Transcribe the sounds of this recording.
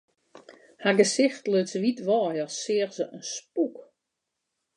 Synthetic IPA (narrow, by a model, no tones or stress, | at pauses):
haɡəsɪxtløtsəʋitʋɔːjəsɪərzəʔənspuk